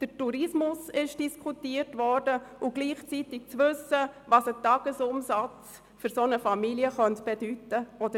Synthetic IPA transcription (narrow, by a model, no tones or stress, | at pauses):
d̥əɾtuɾɪsmʊsɪʃd̥iskʰutiːərtʋɔrdəʊɡ̥liːχt͡sitɪk̚t͡sʋʏsːəvɑsətɑɡ̥əsʊmsɑt͡s | fʏɾsonəfɑmiliəχœntb̥edytəɔd̥ə